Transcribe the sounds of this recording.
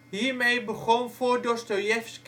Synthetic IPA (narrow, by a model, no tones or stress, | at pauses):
ɦiːɹmejbəχɔnvʊːɹdɔstojɛfsk